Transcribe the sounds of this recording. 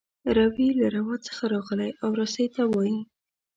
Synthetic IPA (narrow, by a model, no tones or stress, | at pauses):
ɾawilaɾawɑt͡sə̥xaɾɑɣəlajʔawɾɑsəjt̪awɑji